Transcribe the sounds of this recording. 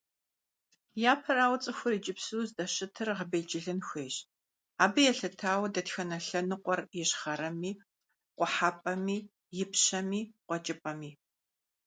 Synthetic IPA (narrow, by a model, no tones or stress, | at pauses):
jaːpʰɐɾaːwt͡sʼɨxʷʊrid͡ʒʼɪpsuzdɐɕɨtʰɨrʁəbeːd͡ʒɪɮɨnxʷeːɕ | aːbɨjɛɬɐtʰaːwɐdɐtxɐnɐɬɐnɨqʷʼɔrjɛɕχɐɾɐmiː | qʷʼʊħaːpʼɐmiː | jɪpɕɐmiːqʷɔt͡ʃʼɪpʼɐmiː